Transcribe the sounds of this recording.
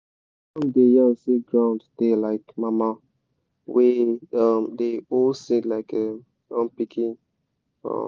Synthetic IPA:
ɔ̃mdejãnsiɡɹãʊ̃ndtelaɪkmama | weʌmdeolsĩdlaɪkɛm | ɔ̃npikʰĩn | ɔ̰

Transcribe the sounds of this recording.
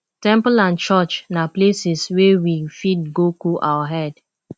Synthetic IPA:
tɛ̃mpəlãnt͡ʃɔt͡ʃnaplesiswewifid̚ɡokoʔawaɦɛd

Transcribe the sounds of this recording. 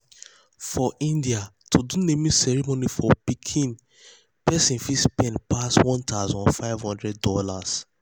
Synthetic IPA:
fɔʔĩndiatʰudunemĩsɛɹimonifɔpikʰĩn | pɛsĩnfispɛ̃npʰaswɔ̃ntʰaʊzɔ̃nfaɪvhɔ̃ndɹɛd̚dɔlas

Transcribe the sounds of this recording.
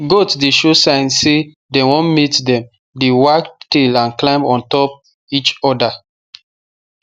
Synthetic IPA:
ɡotdeʃosãɪ̃nse | dewɔ̃nmitdɛ̃m | dewaktilãnklãɪ̃mɔ̃ntɔp̚ | it͡ʃɔda

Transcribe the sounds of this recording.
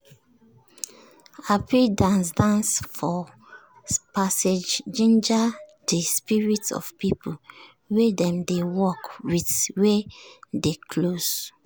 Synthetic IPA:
apʰidãnsdãnsfɔ | pased͡ʒd͡ʒĩnd͡ʒa | dispiɹitsɔ̰v̥pipʰu | wedɛ̃mdewɔkwidwedekʰloz

